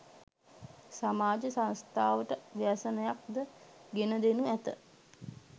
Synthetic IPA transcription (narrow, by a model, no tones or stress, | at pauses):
samaːd͡ʒəsãnst̪aːʋəʈəʋiasənəjak̚d̪əɡenəd̪enuæt̪ə̰